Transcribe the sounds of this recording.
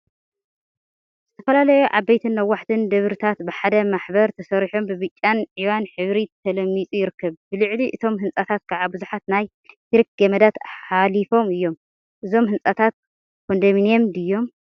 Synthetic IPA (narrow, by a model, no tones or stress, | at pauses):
z̥ɨt̪ʰɐ̥fɐlalɐjuʕa̰bɐjt̪ʰɨnːɐwːaħt̪ʰɨnd̪ɐβɾɨt̪ʰat̪bɨħad̪ɐmaħbɐɾt̪ʰɐsɐɾiħo̞mbɨβɨt͡ʃʼːanʕiβanħɨβɾit̪ʰɐlɐmːit͡sʼujɪɾɨkʰːɐβb̥ɨlɨʕliʔɨt̪ʰo̞mɦɨnsʼat̪ʰat̪̚kʰaʕabɨzuħat̪naj | t̪ɨɾik̚ɡemɐd̪at̪ħalifo̞mɨjːo̞m | ʔɨzo̞mɦɨnt͡sʼat̪ʰat̪̚ | kʰond̪ɐminjemd̪ɨjːo̞m